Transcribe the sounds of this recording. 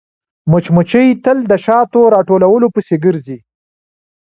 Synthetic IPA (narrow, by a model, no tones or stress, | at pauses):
mʊt͡ʃmʊt͡ʃəjt̪əld̪əʃɑt̪oɾɑʈolawəlopəseɡəɾzi